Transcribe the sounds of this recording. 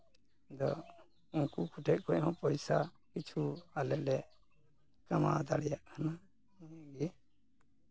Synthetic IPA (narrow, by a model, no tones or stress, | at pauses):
d̪ɔ̰ | uŋkukʰuʈʰɛʔ̚ˀkʰɔʔhɔ̃pɔjsa | kit͡ʃʰualɛlɛ | kama̰d̪aɽɛjaʔkʰanã | ɡi